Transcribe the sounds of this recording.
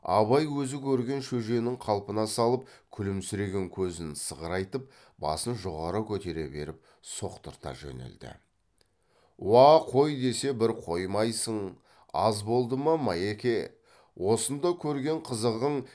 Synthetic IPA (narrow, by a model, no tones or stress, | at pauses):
ɑ̰βɑjwɵzɪkʲʰɵɾɡʲe̞nʃɵʒe̞nɪŋqʰɑlˠpənɑsɑlˠəp̚kʲʰʏlɪmsʏɾe̞ɡʲe̞ŋkʲʰɵzɪnsəʁəɾɑjt̪əp̚ | bɑ̰sənʒo̞ʁɑɾəkʲʰɵt̪e̞ɾe̞be̞̰ɾɪp̚ | so̞qt̪əɾt̪ɑ̰ʒḛnḛld̪ɪ̰ | wɑqʰo̞jd̪e̞se̞bɪɾqʰo̞jmɑjsəɴ | ɑzbo̞lˠd̪əmɑmɑekʲe̞ | wʔo̞sənd̪ɑkʲʰɵɾɡʲe̞ɴqʰəzəʁəɴ